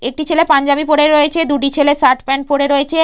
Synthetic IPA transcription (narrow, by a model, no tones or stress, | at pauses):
ek̚ʈit͡ɕʰelepaɲd͡ʑabipoɽeɾoet͡ɕʰed̪uʈ̬it͡ɕʰelesaɾʈpɛɳ̚poɽeɾoet͡ɕʰe